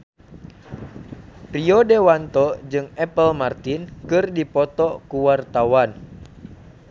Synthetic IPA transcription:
riɔdewant̪ɔd͡ʒɨŋɛpəlmart̪inkɨrdipɔt̪ɔkuwart̪awan

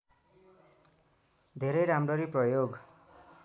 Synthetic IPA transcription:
d̪ʱeɾʌjɾamrʌɾiprʌjoɡ

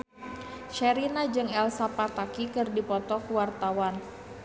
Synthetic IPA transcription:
ʃɛɾinad͡ʒɨŋɛlsapat̪akikɨrdipɔt̪ɔkuwart̪awan

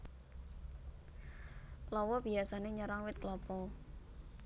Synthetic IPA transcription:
lɔwɔb̥iasaneɲɔɾaŋwɪt̪̚klɔpɔ

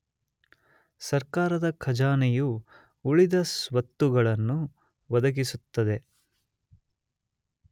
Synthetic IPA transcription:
sɐɾkaːɾɐd̪ɐkʰɐd͡ʒaːnɛjuː | ɭid̪ɐsʋɐt̪ːuɡɐɭɐnːu | ʋɐd̪ɐɡisut̪ːɐd̪e̞

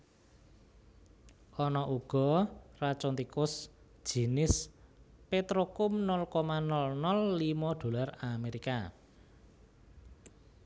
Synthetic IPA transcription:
ʔɔnɔʔuɡ̥ɔ̤rat͡ʃɔnt̪ikʊs | ʒ̥i̤nɪspet̪ɾokʊmnɔlkɔmanɔlnɔlːimɔɖ̪̥o̤larameɾika

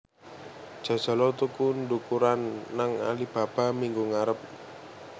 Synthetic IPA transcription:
d͡ʒ̥a̤̥d͡ʒ̥a̤lɔt̪ukundukuɾanːaŋa̰lib̥a̤b̥a̤miŋɡuŋaɾəp̚

